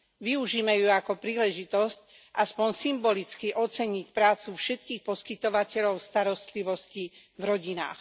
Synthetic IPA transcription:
ʋiuʒiːmɛjuakɔpɾiːlɛʒit̪ɔsc | ʔaspɔɲsimbɔlit͡skiʔɔt͡sɛɲicpɾaːt͡sufʃɛt̪kiːxpɔskit̪ɔʋacɛʎɔʊst̪aɾɔst̪liʋɔscivɾɔɟina̰ːx

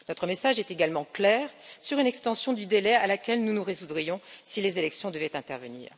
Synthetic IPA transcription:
nɔt̪χəmesaʒɛt̪eɡalmɑ̃klɛːʁsyʁynɛkst̪ɑ̃sjɔ̃d̪yd̪elɛalakʲɛlnunuʁezud̪ʁijɔ̃silezelɛksjɔ̃d̪əvɛt̪ɛ̃t̪ɛ̰ʁvənḭːʁ

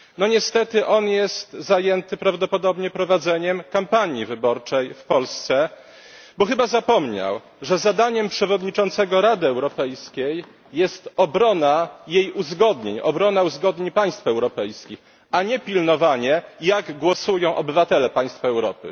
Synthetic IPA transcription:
nɔɲɛst̪ɛt̪ɘʔɔnjɛst̪zajɛnt̪ɘpɾavd̪ɔpɔd̪ɔbɲɛpɾɔvad̪zɛɲɛmkampaɲivɘbɔɾt͡ʂɛjfpɔlst̪sɛ | bɔxɘbazapɔmɲa̰w | ʐɛzad̪aɲɛmpʂɛvɔd̪ɲit͡ʂɔnt̪sɛɡɔɾad̪ɘɛwɾɔpɛjskʲejː | ɛst̪ɔbɾɔnajejuzɡɔd̪ɲḛɲɔ̰bɾɔnauzɡɔd̪ɲeɲpaj̃st̪fɛwɾɔpɛjskʲix | aɲɛpʲilnɔvaɲɛjaɡɡwɔsujɔ̃w̃ʔɔbɘvat̪ɛlɛpaj̃st̪faɛwɾɔ̰pɘ̰

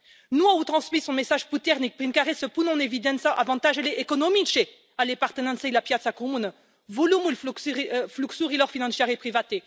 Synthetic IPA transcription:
nwaut̪χɑ̃smisɔ̃mesaʒput̪ɛʁnik̚pʁinkaʁɛsəpunɔ̃nevid̪ɛ̃nsaʔa̰vɑ̃t̪aʒelɛʔkɔnɔmiʃe | alepaʁt̪ənɑ̃sɛilapjat̪sakmun | vulumulffluksuʁilɔʁfinɑ̃sjɛʁepχivat̪e

